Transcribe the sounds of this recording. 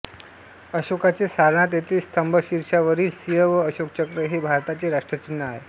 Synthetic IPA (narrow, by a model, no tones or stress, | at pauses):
əɕokat͡sesaɾɳ̃at̪̬jet̪iːst̪ʰəmbʱəɕiɾʂaʋəɾiːlsijəʋəːɕok̚t͡ɕəkɾəɦebʱaɾt̪at͡seɾaʂʈɾət͡ɕinːəaɦe